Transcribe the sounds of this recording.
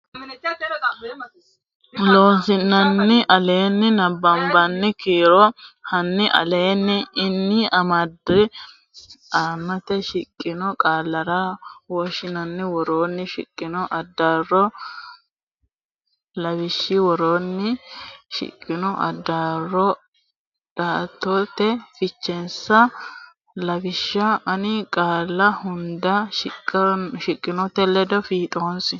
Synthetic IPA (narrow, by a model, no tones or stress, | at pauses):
loːsɪnːɐnːɪʔɐle̞ːnːɪnɐbːɐmbɐnːɪkiːɾɔhɐnːɪʔɐ̰le̞ːnːɪːnːɪɐmɐd̪ɪ | aːmːɐt̪ɛʃɪkʼːɪnɔkʼaːlːɐɾawɔʃɪnɐnːɪwɔɾo̞ːnːɪʃɪ̰kʼːɪnɔʔɐd̪ːaːrːɔ | lɐbɪʃːɪwɔɾoːnːɪʃɪ̰kʼːɪnɔʔɐ̰d̪ːaːrːɔ | d̥aːt̪ːot̪ːɛfɪt͡ʃːɛnsɐ | lɐbɪʃːɐʔɐnɪkʼaːlːɐhʊnd̪ɐʃ | ʃɪkʼːɪnɔt̪ɛlːɛd̪ɔfiːt̪ʼoːnsɪ